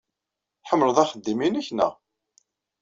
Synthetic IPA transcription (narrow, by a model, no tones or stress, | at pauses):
ħəmːɾəðˤæχəd̪ːiminæçnæ̰